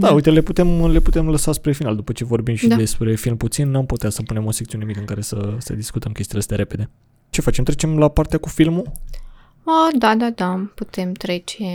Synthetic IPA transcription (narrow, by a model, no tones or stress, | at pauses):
d̪auijt̪e̞le̞put̪e̞mle̞put̪e̞mləsaspɾe̞finald̪upət͡ʃe̞vo̞rbimʃid̪d̪e̞spɾe̞filmput̪sinːuamput̪easəpune̞mo̞sekt̪iunmikɨŋkaɾe̞səsə̰d̪iskut̪əmkʲest̪iləst̪jaɾe̞pe̞d̪e̞ | t͡ʃe̞fat͡ʃe̞mt̪ɾet͡ʃe̞mlapaɾrt̪eakufilmu | əd̪ad̪ad̪aput̪e̞mt̪ɾe̞t͡ʃe